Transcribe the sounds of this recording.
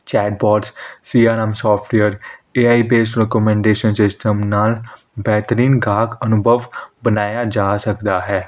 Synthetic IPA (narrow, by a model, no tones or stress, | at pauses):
t͡ʃɛːɖ̚bɔːɖssiːaːnɛmsɔːpʰʈjəɾeːaːiːbeːsɾɛkɔmɛ̃ːɳɖeːʃənsɪsʈəmnaːl | bɛːt̪əɾiːnɡaːkənʊbʱəʋbənaːjaːd͡ʒaːsəkd̪aːɦɛː